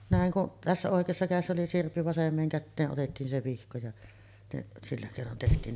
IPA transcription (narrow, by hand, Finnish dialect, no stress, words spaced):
næˑeŋ kuʔ tæsːæ oˑekˑeːsːɑ kæˑesːæ oli sirpːi ʋɑsemˑeːŋ kætːeːʔ ʔotetːiːn se ʋihko jɑ neʔ silːæ keˑinon tehtiːn